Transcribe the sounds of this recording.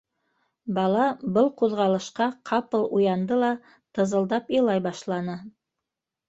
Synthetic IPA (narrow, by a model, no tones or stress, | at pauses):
bɑlˠɑbɤlˠquðʁɑlˠɤ̆ʃqɑqʰɑpɤlˠujɑnd̪ɤlˠɑ | t̪ɤ̆zɤ̆lˠd̪ɑpjɤ̆lˠɑjbɑʃlˠɑnɤ